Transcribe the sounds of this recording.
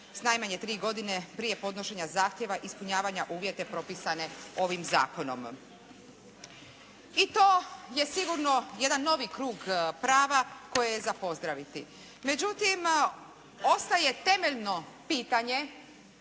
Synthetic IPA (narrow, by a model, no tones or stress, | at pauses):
snajmaɲe̞t̪ɾiːɡo̞d̪ine̞pɾije̞po̞d̪noʃe̞ɲazaːxt̪jeʋaʔispuɲaːʋaɲaʔuːʋje̞t̪e̞pɾo̞pisane̞o̞ʋimza̰ːko̞no̞̰m | it̪oːje̞siɡuɾno̞je̞d̪anːo̞ʋikɾuːɡpɾaːʋako̞jejezapo̞zd̪ɾaʋit̪i | me̞d͡ʑut̪im | o̞st̪aje̞t̪e̞me̞ʎno̞ | piːt̪aɲe̞